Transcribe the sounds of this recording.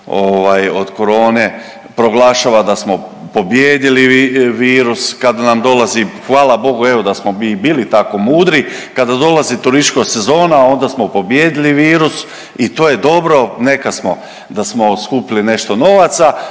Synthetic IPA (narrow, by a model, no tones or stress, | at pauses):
oʋajo̞d̪ko̞ɾo̞ːne | pɾo̞ɡlaʃaːʋad̪asmo̞ | po̞bjeːd̪iliiʋiːɾuskad̪anamd̪o̞lazixʋaːlabo̞ɡue̞ʋo̞d̪asmobibiːlit̪ako̞muːd̪ɾikad̪ad̪o̞lazit̪uɾiskose̞zo̞ːnao̞nd̪asmo̞po̞bjeːd̪iliʋiːɾus | it̪oːje̞d̪o̞bɾo̞ne̞kasmo̞ | d̪asmo̞skupiline̞ʃt̪o̞no̞ʋat̪sa